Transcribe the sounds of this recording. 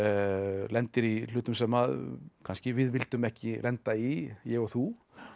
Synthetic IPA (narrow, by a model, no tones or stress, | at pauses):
lɛnt̪ɪɾil̥ʏːt̪ʏmsɛmaðkʰanscɪvɪðvɪlt̪ʏmɛhcɪlɛnt̪aijɛɣɔɣθu